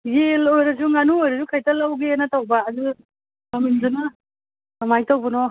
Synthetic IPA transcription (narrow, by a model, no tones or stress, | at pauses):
jelojɾɐzuŋanuojɾɐzukʰajtalawɡenɐtawbaːdu | aminzanɐ | amajtawbɔnɔ